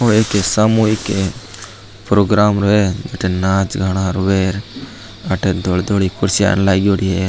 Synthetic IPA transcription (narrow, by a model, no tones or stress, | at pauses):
oekesamuːike | pɾoːɡɾaːmɾoed͡ʒeʈenaːt͡ʃɡʱaɽ̃aːɾuʋeːɾ | ɐʈed̪old̪oːɽikʊɾsija̰ːnlaɡoɽiɦe